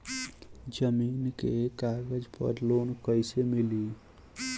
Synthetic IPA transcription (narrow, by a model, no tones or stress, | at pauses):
d͡ʒəminkekaɾɡəd͡ʒpə̰ɾlonkəɪsemili